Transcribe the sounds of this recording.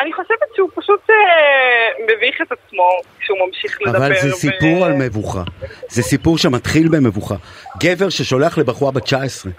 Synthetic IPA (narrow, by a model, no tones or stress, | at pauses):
aniχo̞ʃevetʃeupaʃut̪ | meviχet̪at͡smo̞kʃeumamʃiχleavalzesipuʁalme̞vuχa̰zesipuʁʃemat̪χilbeme̞vuχaɡe̞ve̞ʁʃeʃo̞leaχle̞baχuabet͡ʃaesʁe